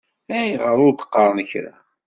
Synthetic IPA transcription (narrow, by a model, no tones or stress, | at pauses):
æjʁəɾˤʊɾd̪ə̥qːɑɾˤənəçɾa̰